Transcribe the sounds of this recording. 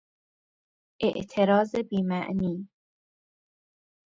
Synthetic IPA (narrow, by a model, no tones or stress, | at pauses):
ʔe̞ʔt̪ʰe̞ɾɒːze̞biːmæʔniː